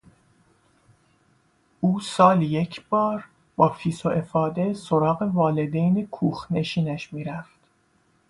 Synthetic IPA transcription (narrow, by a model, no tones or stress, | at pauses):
ʔuːsɒːlijecʰb̥ɒːɾ | bɒːfiːsoʔe̞fɒːd̪e̞so̞ɾɒːɣe̞vɒːle̞d̪ejnekʰuːxne̞ʃiːnæʃmiːɾæft̪